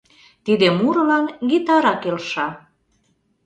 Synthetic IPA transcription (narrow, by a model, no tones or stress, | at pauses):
t̪id̪emuɾɤ̆lɑnɡit̪ɑɾɑkelʃɑ